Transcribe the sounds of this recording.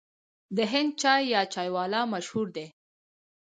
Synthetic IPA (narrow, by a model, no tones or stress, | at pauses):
d̪əɦɪnd̪̚t͡ʃɑjːɑt͡ʃɑjwɑlɑmaʃhuɾd̪e